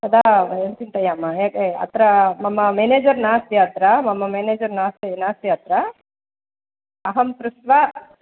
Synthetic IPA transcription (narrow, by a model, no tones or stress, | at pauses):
t̪ɐd̪aentint̪ɐjaːmːajeːkeɐ̰t̪ɾɐmɐmːɐmeːneːd͡ʒɐɾnaːst̪jɐt̪ɾɐmɐmːɐmeːneːd͡ʒɐɾnaːst̪inaːst̪jɐt̪ɾɐ | ɐɦɐmpɾust̪ʋa